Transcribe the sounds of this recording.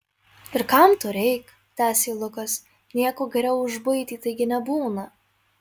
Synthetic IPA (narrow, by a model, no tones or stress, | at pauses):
ɪɾkɐmt̪ʊɾʲɛɪk | t̪ʲæːsʲeːlˠʊkɐs | nʲiɛkoːɡʲɛɾʲɛʊʊʒbɐɪt̪ʲiːt̪ɐɪɡʲɪnʲɛbuːnɐ